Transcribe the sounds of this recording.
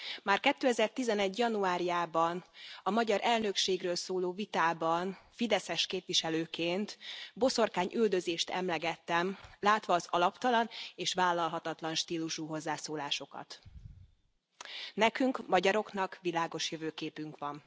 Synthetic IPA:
maːrkɛt̪ːøːɛzɛrt̪izɛnɛɟjɒnuaːɾijaːbɒnɒmɒɟɒɾʔɛlnø̞kʃeːɡrøːlsoːloːvit̪aːbɒnfid̪ɛsɛʃkeːpʋiʃɛløːkeːnt̪bo̞so̞rkaːɲʔyld̪ø̞zeːʃt̪ɛ̰mlɛɡɛt̪ːɛmlaːt̪ʋɒːzɒlɒpt̪ɒlɒneːʃʋaːlːɒlɦɒt̪ɒt̪lɒnʃt̪iːluʃuːɦo̞zːaːsoːlaːʃo̞kɒ̰t̪ | nɛkyŋkmɒɟɒɾo̞knɒkʋilaːɡo̞ʃjøvøːkeːpyŋkʋɒn

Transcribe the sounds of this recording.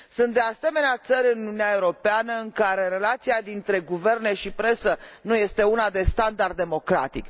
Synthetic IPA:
sunt̪̚d̪ease̞me̞neat̪səɾʲɨnununeae̞uɾo̞peanəɨŋkaɾe̞ɾe̞lat̪siad̪int̪ɾe̞ɡuve̞rne̞ʃipɾe̞sənuje̞st̪e̞unad̪e̞st̪and̪ard̪d̪emo̞kɾa̰t̪ik

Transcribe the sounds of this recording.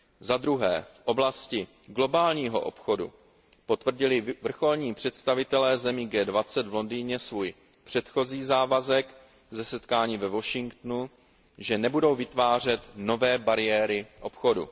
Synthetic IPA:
zad̪ɾuɦɛːfʔo̞blascɪ | ɡlo̞baːlɲiːɦo̞̰ʔo̰pxo̞dṵ | po̞t̪vr̩ɟɪlɪvr̩xo̞lɲiːpr̝̥ɛt̪st̪avɪt̪ɛlɛːzɛmiːɡɛːdvat͡sɛd̪vlo̞ndiːɲɛsvuːj | pr̝̥ɛt̪xo̞ziːzaːvazɛk | zɛsɛt̪kaːɲiːvɛvo̞ʃɪŋkt̪nu | ʒɛnɛbudo̞wvɪt̪vaːr̝ɛt̪no̞vɛːbaɾɪjɛːɾɪʔo̞pxo̞dṵ

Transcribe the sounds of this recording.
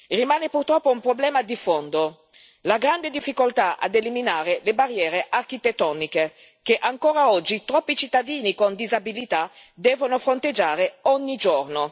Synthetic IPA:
rimaːnepurt̪ɾɔpːoumpɾoblɛːmad̪ifond̪o | laɡɾand̪ed̪ifːikolt̪aʔa̰d̪eliminaːɾelebarːjɛːɾeʔarkit̪et̪ːɔːnike | keʔaŋkoːɾaɔd͡ʒːit̪ɾɔpːit͡ʃit̪ːad̪iːnikond̪izabilit̪a | d̪ɛːvonofɾont̪ed͡ʒːaːɾeɔɲːid͡ʒorno

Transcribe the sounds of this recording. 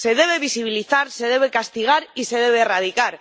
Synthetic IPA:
se̞ðe̞βe̞β̞isiβiliθaɾse̞ð̞e̞β̞e̞kast̪iɣ̞aɾise̞ðe̞β̞e̞ːrað̞ikaɾ

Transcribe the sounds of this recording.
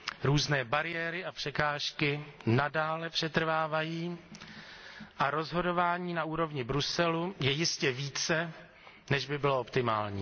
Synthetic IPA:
ɾuːznɛːbaɾɪjɛːɾɪapr̝̥ɛkaːʃkɪnadaːlɛpr̝̥ɛt̪r̩vaːvajiː | ʔaɾo̞zɦo̞do̞vaːɲiːnaʔuːɾo̞vɲɪbɾusɛlujɛjɪscɛviːt͡sɛ | nɛʒbɪbɪloo̞pt̪ɪmaːlɲḭː

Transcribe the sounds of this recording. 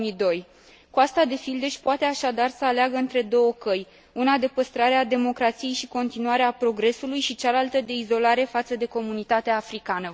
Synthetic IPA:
mid̪o̞j | kuast̪ad̪e̞fild̪e̞ʃʲpoat̪e̞aʃad̪arsəaleaɡəɨnt̪ɾe̞d̪o̞wəkəj | unad̪e̞pəst̪ɾaɾead̪e̞mo̞kɾat̪sije̞jʃiko̞nt̪inuaɾeapɾo̞ɡɾe̞sulujʃit͡ʃalalt̪əd̪e̞izo̞laɾe̞fat̪səd̪e̞ko̞munit̪at̪eaːfɾikanə

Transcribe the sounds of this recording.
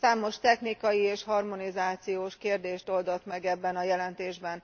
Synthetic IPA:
saːmo̞ʃt̪ɛxnikɒjieːʃhɒrmo̞nizaːt̪sijoːʃkeːrd̪eːʃt̪o̞ld̪o̞t̪mɛɡɛbːɛnɒjɛlɛnt̪eːʒbɛn

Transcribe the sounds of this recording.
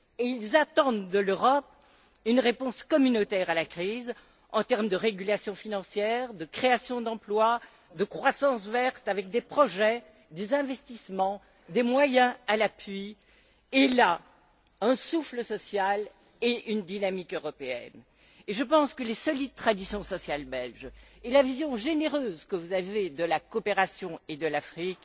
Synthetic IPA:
eilzat̪ɑ̃d̪ːəløʁɔp̚ | ynʁepɔ̃skɔmynot̪ɛʁalakχiz | ɑ̃t̪ɛʁmd̪əʁeɡʲylasjɔ̃finɑ̃sjɛʁd̪əkχeasjɔ̃d̪ɑ̃plwa | d̪əkχwasɑ̃svɛʁt̪avɛk̚d̪epχɔʒɛ | d̪ezɛ̃vɛst̪ismɑ̃ | d̪emwajɛ̃alapɥi | ela | ɛ̃sufləsɔsjal | eynd̪inamikøʁɔpeɛ̰n | eʒəpɑ̃skəlesɔlid̪̚t̪χad̪isjɔ̃sɔsjalbɛlʒɛlavizjɔ̃ʒeneʁøzkəvuzaved̪əlakɔpeʁasjɔ̃ed̪əlafχik

